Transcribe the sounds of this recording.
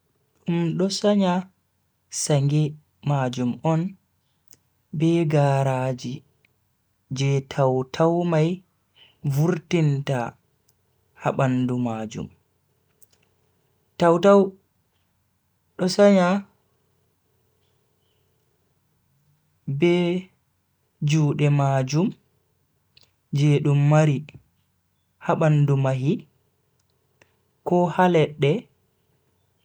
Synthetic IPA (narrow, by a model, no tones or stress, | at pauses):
ɗumɗɔsaɲa | saŋɡɛ | mad͡ʒumʔɔn | bɛɡaːɾaːd͡ʒi | d͡ʒɛtʰawtʰawmaj | vuɾtinta | ha̰ɓandumad͡ʒṵm | tawtaw | ɗɔsaɲa | bɛ | d͡ʒuːɗɛmaːd͡ʒum | d͡ʒɛɗumːaɾi | haɓandumaɦi | kɔhalɛɗːɛ